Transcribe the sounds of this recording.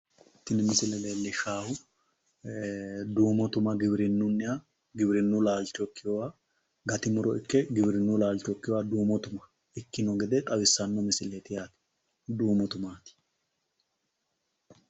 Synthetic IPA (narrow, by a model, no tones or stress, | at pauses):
ɪt̪ːɪnɪmɪsɪlɛleːlːɪʃaːhʊ | d̪uːmɔt̪ʊmɐɡɪbɪɾɪnːʊnːɪja | ɡɪbɾɪnːulaːlt͡ʃokːɪjɔwa | ɡɐt̪ɪmʊɾɔɪkːɛɡɪbɾɪnːulaːlt͡ʃɔkːɪjɔwad̪uːmɔt̪ʊmɐ̥ | ɪkːɪnɔɡɛd̪ɛt̪ʼɐwɪsːɐnːɔmɪsɪleːt̪ɪjaːt̪ɪ̥ | d̪uːmɔt̪ʊmaːt̪ɪ̥